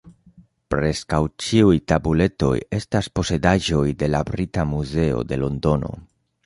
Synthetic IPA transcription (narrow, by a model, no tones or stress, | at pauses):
pɾe̞skawt͡ʃiujtabule̞to̞̰je̞staspo̞se̞daʒo̞jde̞labɾitamuze̞o̞̰de̞lo̞ndo̞no̞̰